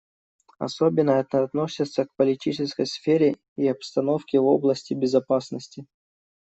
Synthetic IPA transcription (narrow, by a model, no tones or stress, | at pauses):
ɐ̰sobʲɪnːəɛt̪əɐt̪no̞sʲɪt̪sək̚pəlʲɪtʲit͡ɕɪskəjsfʲeɾʲɪ | iɐpst̪ɐno̞fkʲɪvo̞blˠəsʲtʲɪbʲɪzɐpasnəsʲtʲɪ